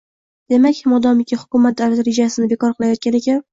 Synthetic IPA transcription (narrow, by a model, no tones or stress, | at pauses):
d̪̥e̞makʲmɒd̪ɒmɪkʲahʊ̥kʊmat̪̚d̪alad̪ɾɪd͡ʒasɪnɪbe̞kɒɾqʰɨlˠajɒt̪̚kʲane̞kʲan